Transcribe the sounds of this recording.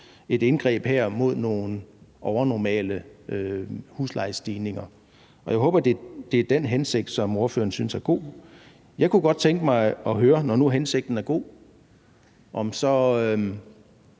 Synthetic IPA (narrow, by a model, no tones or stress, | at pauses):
e̝d̥e̝nɡ̥ʁɛ̰ːb̥heɐ̰mo̝ð̞̰ˠno̝ːn̩ʔɒʊɐnɒmɛ̰ːləʔøhuslɑ̈ɪsd̥iːne̝ŋɐ | ɒ̽jɑ̈ɪɦɔːb̥ɐd̥e̝d̥e̝æɐd̥enɦense̝ɡ̥̚d̥sɒ̽mo̝ɐfø̰ːɐn̩synsæɐɡ̥o̝̰ː | jɑ̈ɪkʰuɡ̥ɒ̽d̥̚t͡sʰeŋɡ̥əmɑ̈ɪɒ̽ɦøːɐnɒnuɦense̝ɡ̥̚d̥n̩æɐɡ̥o̝̰ː | ʔɒ̽msɒ̽ø